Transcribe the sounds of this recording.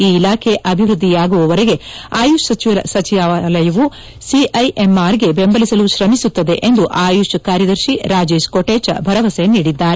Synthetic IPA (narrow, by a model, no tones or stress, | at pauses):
iːilaːkʰeʔɐbʱiʋɾud̪ːijaːɡuʋɐʋɐɾeɡeaːjuʂsɐt͡ʃiʋɐɐsɐt͡ʃiʋaːlɐjɐʋu | siʔɐjʔemaːɾɡe̞bembɐlisɐluʃɾɐmisut̪ːɐd̪e̞ʔend̪uʔaːjuʂɐkaːɾjɐd̪ɐɾʃiɾaːd͡ʒeːʃkoʈeːt͡ʃɐ̰bʱɐɾɐʋɐseniːɽid̪ːaːɾe